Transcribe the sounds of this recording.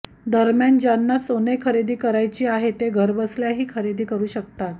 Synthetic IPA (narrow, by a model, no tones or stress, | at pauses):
d̪əɾmjand͡ʑanːasonekʰəɾed̪iːkəɾajt͡ɕiːaɦet̪eɡʱəɾbəsljaɦiːkʰəɾed̪iːkəɾuːɕəkt̪at̪̚